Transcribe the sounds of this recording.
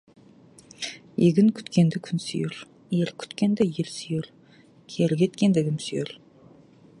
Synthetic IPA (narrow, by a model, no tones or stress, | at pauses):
jeɡʲɪŋkʲʰʏ̥t̪kʲend̪ɪkʲʰʏnsy̰jɪɾ | eɾkʲʰʏ̥t̪kʲend̪ejeɾsyjɪɾ | kʲʰeɾɪkʲet̪kʲend̪eɡʲɪmsyjɪɾ